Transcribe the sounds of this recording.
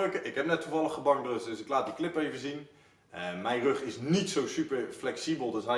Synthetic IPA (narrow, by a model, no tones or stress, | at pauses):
kəʔɪkɦɛpnɛtːuvɑlˠəχəbɑŋbrəsdɵsɪklaːt̚diklɪpejvəzin | əmɛjnrɵχɪsnitsowsypəɹflɛksibəlˠdɵsɦɛ